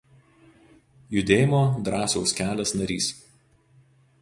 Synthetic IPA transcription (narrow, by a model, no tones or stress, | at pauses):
jʊd̪ʲeːjɪmoːd̪ɾɑːsɔʊsʲkʲæːlʲɛsnɐɾʲḭːs